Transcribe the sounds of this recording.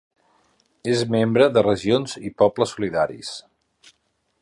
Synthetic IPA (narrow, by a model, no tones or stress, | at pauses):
ezmembɾəðərəʒionzipɔpləsuliðaɾḭs